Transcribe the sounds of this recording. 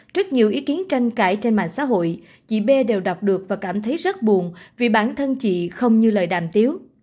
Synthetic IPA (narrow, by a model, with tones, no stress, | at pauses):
t͡ɕɨ˦˥k̚ɲi˨˩əwʔi˨˦ki˨˦ənt͡ɕa˧jŋ̟kaː˧˩jt͡ɕe˧nma̰˧˨ŋsa̰ː˧˥ɦo̰˧˨j | t͡ɕḭ˧˨ɓe˧ɗe˨˩wɗa˨˩wk͡p̚ɗɨ˨˩ək̚vaː˨˩kaː˧˩mt̪ʰə˨˦jzə˦˥t̚ɓu˨˩ənvi˨˩ɓaː˧˩nt̪ʰə˧nt͡ɕḭ˧˨xə˧wŋ͡mɲɨ˧ləː˨˩jɗaː˧˨˩mt̪i˨˦əw